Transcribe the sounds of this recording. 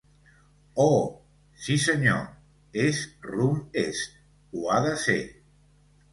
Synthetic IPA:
ɔ | sisəɲo̰ | esrumest̪̚ | uaðəsḛ

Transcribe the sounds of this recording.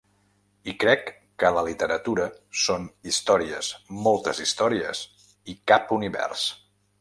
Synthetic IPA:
ikɾɛkː | ələlit̪əɾət̪uɾəsonist̪ɔɾiə̰smɔlˠt̪əzist̪ɔɾiə̰s | ikapuniβɛ̰rs

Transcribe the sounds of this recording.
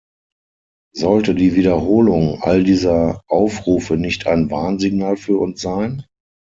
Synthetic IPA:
zɔltədiːviːdɐɦoːlʊŋʔa̰ldiːzɐʔaʊfʁuːfənɪçtʰaɪnvaɐnziɡnaːlfyːɐʊnsz̥aɪn

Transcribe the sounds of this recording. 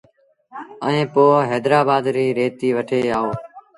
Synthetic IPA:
əẽːpoːɦeːd̪ɾaːbaːd̪ɾiːɾeːt̪iːʋəʈʰeːaːoː

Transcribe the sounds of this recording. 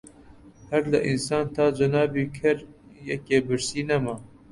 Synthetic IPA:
hɛɾlɨ̰ʔinsɑːnt̪ʰɑːd͡ʒɐnɑːbiːkʰɛɾ | jɛkeːbɨɾsiːnɛmɑ

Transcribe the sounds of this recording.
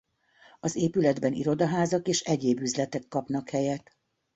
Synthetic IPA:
ɒzeːpylɛd̪bɛnḭɾo̞d̪ɒɦaːzɒkeːʃɛɟeːbyzlɛt̪ɛkːɒpn̪ɒkhɛjɛt̪

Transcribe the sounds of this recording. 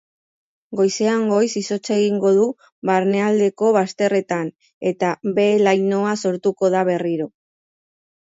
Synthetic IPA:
ɡo̞jse̞aŋɡo̞jsiso̞t͡seɣiŋɡo̞ð̞u | βaɾne̞ald̪e̞ko̞βast̪e̞re̞t̪an | e̞t̪aβe̞lajno̞aso̞ɾt̪uko̞ð̞aβe̞riɾo̞

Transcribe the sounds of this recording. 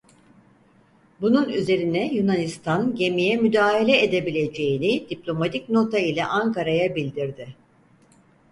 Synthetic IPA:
bununyze̞ɾinɛjunanist̪ʰanɟe̞mijɛmyd̪aːɦalʲɛed̪e̞bilʲe̞d͡ʒe̞jinɪd̪̥iplʲo̞mat̪ʰic̚no̞t̪ʰailʲɛʔaŋkaɾajabilʲd̪iɾd̪ɪ

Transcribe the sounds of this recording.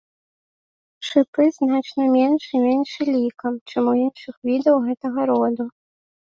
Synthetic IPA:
ʂɨpɨznat͡ʂnɐmʲenʂimʲɛnʂilʲikɐmt͡ʂɛmuinʂɨxvʲid̪ɐwɣɛt̪ɐɣɐɾɔd̪u

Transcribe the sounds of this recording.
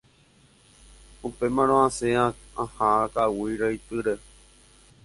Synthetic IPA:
upemãɾ̃õãseaãhãakawiɾait̪ɨɾe

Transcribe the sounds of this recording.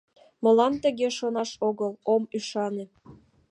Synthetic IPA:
mə̆lɑnt̪ə̆ɣeʃonɑʃoɣəlomyʃɑne

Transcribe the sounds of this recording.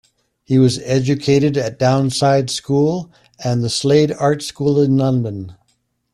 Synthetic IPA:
hiwʌzɛd͡ʒɨkʰeɪɾɨɾɨt̚d̥ãʊ̃nsaɪd̥skulˠ | ɨ̃nðəsleɪɾɑɹtskulˠɪ̃nlʌ̃nbə̃n

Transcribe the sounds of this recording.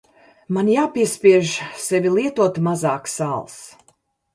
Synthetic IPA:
manjaːpʲiɛsʲpʲiɛʒsɛvʲilˠiɛt̪uɔt̪mazaːksalˠs

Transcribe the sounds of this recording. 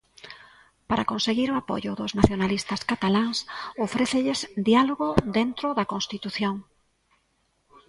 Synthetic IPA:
paɾakonseɣiɾʊapo̰ʎʊðʊznaθjonalist̪ɐskat̪alaŋsofɾeθeʎɪsd̪ialoɣod̪ent̪ɾʊðɐkõnst̪it̪uθjoŋ

